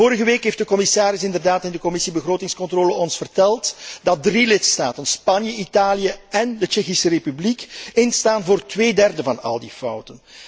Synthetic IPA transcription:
oːɾəɣəʋeːkɦeːftdəkɔmɪsaːɾɪsɪndərdaːtɪndəkɔmɪsibəɣroːtɪŋskɔntroːləɔnsfərtɛlˠtdɑt̚drilɪtsta̰ːtənspɑnjəʔitaːlijəɛndət͡ʃɛxisərepyblikɪnstaːnvoːrtʋeːdɛrdəvɑnɑ̰lˠdifʌwtən

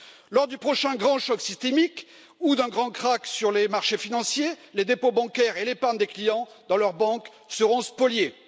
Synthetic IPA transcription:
lɔʁd̪ypχɔʃɛ̃ɡʁɑ̃ʃɔksist̪emik | ud̪ɛ̃ɡʁɑ̃kχaksyʁlemaʁʃefinɑ̃sjeled̪epobɑ̃kɛʁelepaʁnd̪eklijɑ̃ | d̪ɑ̃lœʁbɑ̃k | səʁɔ̃spɔlje

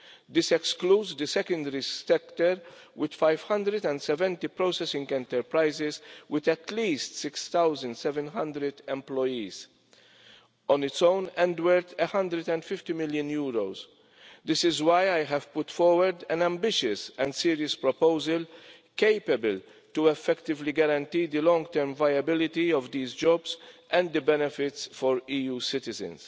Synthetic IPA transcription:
d̪ɪsɛkskluːdzd̪əsɛkə̃nd̪ɛɾisɛkt̪əɾ | wɪd̪̥fajv̥hɐ̃nd̪ɾɛd̪ɛ̃nd̪sɛvɛ̃nt̪ipɾoʊsɛsɪ̃ŋɡɛ̃nt̪ɛɾpɾaɪzɪzwɪd̪ɛt̪liːst̪sɪkst̪awzə̃nd̪sɛvɛ̃nɦɐ̃nd̪ɾɛd̪ɛ̃mplɔjiːz | ɔ̃nɪtsõʊnɛ̃nd̪wəɾt̪ʰəhɐ̃nd̪ɾəd̪ɛ̃nd̪fɪft̪imɪljʊ̃njuːɾoz | d̪ɪsɪzwajajɦɛv̥pʊt̪fɔɾwəɾd̪ɛ̃næ̃mbɪʃɨsɛ̃ndsiːɾiəspɾɔpoʊzəl | keɪpəbəl | t̪uɛfːɛkt̪ɪvliɡɐɾɐ̃nt̪iːd̪əlɔ̃ŋɡt̪ɛɾmvajɐbɪlɪt̪iɔvd̪iːzd͡ʒɔbzʔɛ̃nd̪d̪əbɛnɛfɪt̪sfɔɾiːjuːsɪt̪ɪzɨ̰̃ns

